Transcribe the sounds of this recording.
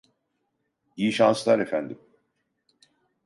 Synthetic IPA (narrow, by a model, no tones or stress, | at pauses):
ijiʃanslˠaɾe̞fænd̪im